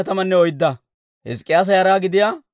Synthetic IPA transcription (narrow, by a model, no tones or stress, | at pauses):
ɐt̪ɐmɐnːɛɔjd̪ːɐ | hɛ̰skʼːɪjaːs̬ɐjɐɾaːɡɪd̪ɪjaː